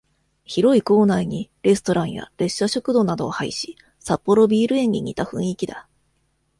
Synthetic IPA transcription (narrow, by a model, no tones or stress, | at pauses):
çiɾo̞iko̞ːnaiɲ̟iɾe̞sɨ̥t̪o̞ɾãɰ̃ja̰ɾe̞ɕːaɕo̞kɯ̟d̪o̞nad̪o̞ːhaiɕi̥ | sapːo̞ɾo̞bʲiːɾɯ̟ẽ̞ɲ̟ːiɲ̟ʲḭt̪aɸɯ̟̰̃ɰ̃ikʲid̪a